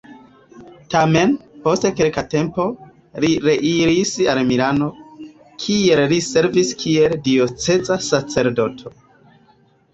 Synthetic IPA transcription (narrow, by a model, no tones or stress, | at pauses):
tame̞npo̞stekelkate̞mpo̞ | liɾeʔiɾisalmiɾano̞ | kʰielliseɾviskʰie̞ldio̞t͡se̞zasat͡se̞ɾdo̞tʰo̞